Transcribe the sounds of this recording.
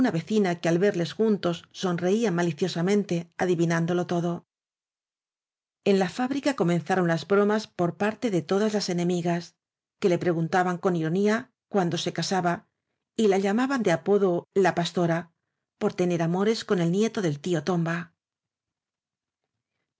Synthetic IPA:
unaβe̞θinakealβe̞ɾle̞sxunt̪o̞sːo̞nre̞iamaliθjo̞samẽ̞nt̪e̞aðiβinand̪o̞lo̞t̪o̞ðo̞ | e̞nlafaβɾikako̞mẽ̞nθaɾo̞nlazbɾo̞maspo̞ɾpaɾt̪e̞ðe̞t̪o̞ðazlase̞nẽ̞miɣas | ke̞le̞pɾe̞ɣunt̪aβaŋko̞niɾo̞nia | kwand̪o̞se̞kasaβa | ilaʎamaβand̪e̞apo̞ðo̞lapast̪o̞ɾa | po̞ɾt̪e̞ne̞ɾamo̞ɾe̞sko̞ne̞lnje̞t̪o̞ðe̞lt̪io̞t̪o̞mba

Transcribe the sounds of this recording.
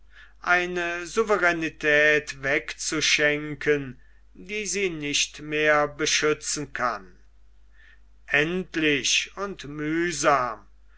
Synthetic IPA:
ʔaɪnəzuvəʁɛnitʰɛːtvɛkt͡suʃɛŋkʰən | diːziːnɪʃtmeːɐbəʃʏt͡sn̩kʰa̰n | ʔɛntlɪʃʊntmyːzaːm

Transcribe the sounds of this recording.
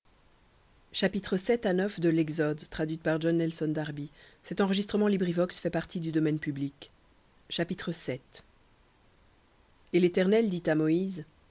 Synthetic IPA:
ʃapit̪χəsɛt̪anœfd̪əlɛɡzɔd̪t̪χad̪ɥit̪paʁʒɔnːɛlsɔnd̪aʁbisɛt̪ɑ̃ʁəʒist̪χəmɑ̃libʁivɔksfɛpaʁt̪id̪yd̪ɔmɛnpyblik | ʃapit̪χəsɛt̪ | elet̪ɛʁnɛld̪it̪amɔiz

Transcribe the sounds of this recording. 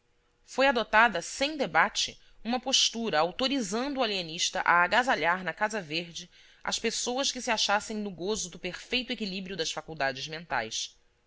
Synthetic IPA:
fojad̪ot̪ad̪ɐsẽj̃d̪ebat͡ʃɪ̰ | ũmɐpoʃt̪uɾɐawt̪oɾizɐ̃nd̪ʊualiɐniʃt̪ɐ̰ʔaːɡazaʎaɾnɐkazɐveɾd͡ʒɪ | ɐ̰ʃpesowɐskɪsiaʃasẽj̃nʊɡozʊd̪ʊpeɾfejt̪ʊekilibɾiʊd̪ɐsfakuwd̪ad͡ʒɪzmẽnt̪a̰js

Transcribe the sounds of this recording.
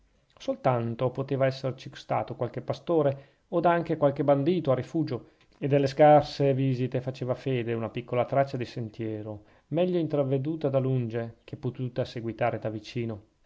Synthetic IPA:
solt̪ant̪opot̪eːvaɛsːeɾet͡ʃikst̪a̰ːt̪okwalk̟epast̪oːɾe | od̪aŋk̟ekwalk̟eband̪iːt̪oarifuːd͡ʒo | ed̪ːelːeskarseviːzit̪efat͡ʃeːvafeːd̪eunapikːolat̪ɾat͡ʃːad̪isent̪jɛːɾo | mɛʎːoint̪ɾavːed̪uːt̪ad̪alund͡ʒek̟epːot̪uːt̪aseɡwit̪aːɾed̪avit͡ʃiːno

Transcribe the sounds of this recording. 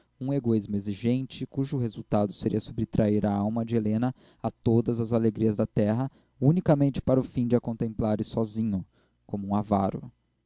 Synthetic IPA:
ũeɡoizmʊeziʒẽnt͡ʃɪkuʒʊɦezuwt̪ad̪ʊseɾiɐsobɾɪt̪ɾʔaiɾɐawmɐd͡ʒɪelẽnɐ | at̪od̪ɐzɐzaleɡɾiɐzd̪ɐt̪ɛɦɐ | unikɐmẽnt͡ʃɪ̥paɾʊfĩd͡ʒɪɐkõnt̪ẽmplaɾɪsɔzĩɲʊ | kõmʊũavaɾʊ̰

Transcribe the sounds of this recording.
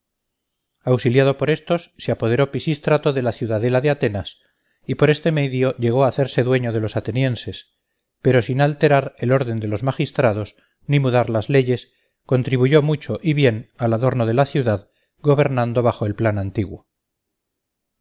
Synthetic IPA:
awsiljað̞o̞po̞ɾe̞st̪o̞sːeapo̞ð̞e̞ɾo̞pisist̪ɾat̪oðe̞laθjuðaðe̞laðeat̪e̞nas | ipo̞ɾe̞st̪e̞me̞ðjo̞ʎe̞ɣo̞aːθe̞ɾse̞ðwe̞ɲo̞ð̞e̞lo̞sat̪e̞nje̞nse̞s | pe̞ɾo̞sinalt̪e̞ɾaɾe̞lo̞ɾðe̞nd̪e̞lo̞zmaxist̪ɾað̞o̞s | nimuðaɾlazle̞ʝe̞s | ko̞nt̪ɾiβuʝo̞mut͡ʃo̞ʔiβje̞nalaðo̞ɾnoð̞e̞laθjuðað | ɡo̞β̞e̞ɾnand̪o̞βaxo̞e̞lplanant̪iɣwo̞

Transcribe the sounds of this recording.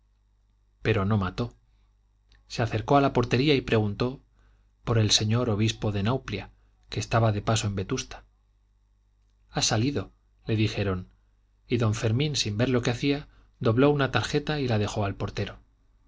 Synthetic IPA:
pe̞ɾo̞no̞mat̪o̞ | se̞aθe̞ɾko̞alapo̞ɾt̪e̞ɾiaipɾe̞ɣ̞unt̪o̞ | po̞ɾe̞lse̞ɲo̞ɾo̞β̞ispo̞ðe̞nawplja | ke̞ːst̪aβaðe̞paso̞e̞mbe̞t̪ust̪ḁ | asaliðo̞ | le̞ðixe̞ɾo̞n | iðo̞ɱfe̞ɾmĩnsimbe̞ɾlo̞ke̞aθia | d̪o̞β̞lo̞unat̪aɾxe̞t̪ailað̞e̞xo̞alpo̞ɾt̪e̞ɾo̞

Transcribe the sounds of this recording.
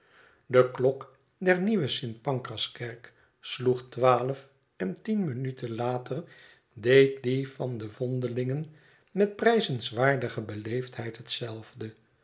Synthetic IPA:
dəklɔk | dɛɹniʋəsɪnt̚pɑŋkrɑskɛɹk | sluχtʋaːləf | ɛntinmənytʰənlaːtər | dejt̚divɑndəvɔndəlɪŋən | mɛt̚prɛjzənsʋaːɹdəχəbəlejftɦɛjtɦətsɛlˠvdə

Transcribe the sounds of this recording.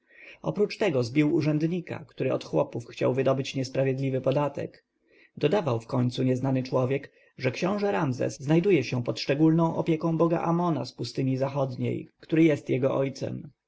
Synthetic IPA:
ɔ̰pɾut͡ʂt̪ɛɡɔzbʲiwuʐɛnd̪ɲika̰kt̪uɾɘɔt̪xwɔpufxt͡ɕa̰wvɘd̪ɔbɘt͡ɕɲɛspɾavʲjɛd̪lʲivɘpɔd̪at̪ɛ̰k | d̪ɔd̪avawfkɔɲt̪suɲɛznanɘt͡ʂwɔvʲjɛk | ʐɛkɕɔ̃w̃ʐɛɾamzɛ̰sznajd̪ujɛɕɛpɔt̪ʂt͡ʂɛɡulnɔ̃w̃ʔɔpʲjɛkɔ̃w̃bɔɡa̰ʔamɔna̰spust̪ɘɲizaxɔd̪ɲḛjkt̪uɾɘjɛst̪jɛɡɔʔɔjt̪sɛ̰m

